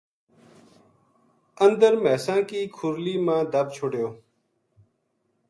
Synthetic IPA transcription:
ənd̪əɾmɛːsãːkiːkʰʊɾliːmãːd̪əbt͡ʃʰoːɖjoː

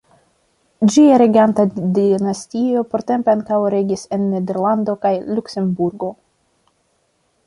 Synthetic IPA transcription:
d͡ʒiaɾe̞ɡiantadinastio̞poɾte̞mpeaŋkawɾe̞ɡise̞nːe̞de̞ɾlando̞kajlukse̞mbuɾɡo̞

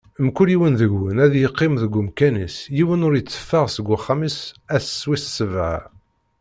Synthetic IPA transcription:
mkːuliwənðəɡwənæðjəqːɪmðəɡːʊmkænisjiwənʊɾjət͡sːə̥fːəʁsəɡʷːaχːamisæθsːwissəvʕa̰

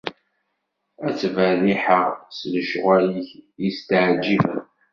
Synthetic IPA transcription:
æt͡sːvəðiħəʁsləʃʁæliçjist̪əʕd͡ʒːivə̰n

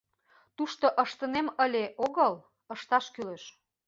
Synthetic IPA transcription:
t̪uʃt̪oʔəʃt̪əneməlʲeʔoɣəl | əʃt̪ɑʃkyleʃ

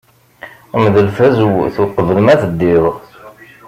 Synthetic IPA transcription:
mðəlfæzwθuqːəvðəmæθəd̪ːɪðˤʁ

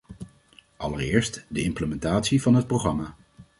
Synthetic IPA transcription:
ʔɑlərɪːɹstdəɪmpləmɛntaːtsivɑnɦət̚prowχrɑmaː

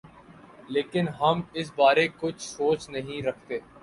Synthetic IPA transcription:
leːkɪnɦɐmɪs̬baːɾekʊt͡ʃʰsoːt͡ʃnɐɦĩɾɐkʰt̪eː

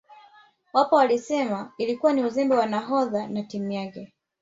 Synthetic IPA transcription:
wapɔwalisɛmailikuwaniuzɛmbɛwanaɦɔðanatimujakɛ

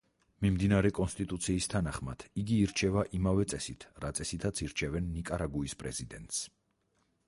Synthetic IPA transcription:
mimd̪inaɾɛkʼɔnst̪ʼit̪ʼut̪sʰiːst̪ʰanaχmad̪̥ʰiɡiːɾt͡ʃʰɛvaʔimavɛt̪sʼɛsit̪ʰɾat̪sʼɛsit̪ʰat̪sʰiɾt͡ʃʰɛvɛnːikʼaɾaɡuispʼɾɛzid̪ɛnt̪ʼs

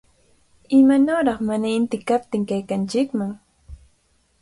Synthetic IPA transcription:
ɪmanoːɾɑχmanaɪnt̪ɪkap̚t̪ɪŋkajkant͡ʃɪkmaŋ

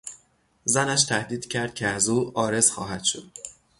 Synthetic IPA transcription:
zænæʃt̪ʰæhd̪iːd̪cʰæɾd̪̚cʰeæzuːɒːɾe̞z̥xɒ̰ːɦæd̪̥ʃod̪̥

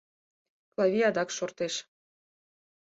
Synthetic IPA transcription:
klɑβʲiɑd̪ɑkʃort̪eʃ

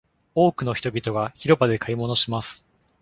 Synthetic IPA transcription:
o̞ːkɯ̟no̞çʲi̥t̪o̞bʲit̪o̞ɡaçiɾo̞bad̪e̞kaimo̞no̞ɕimasɨ̥

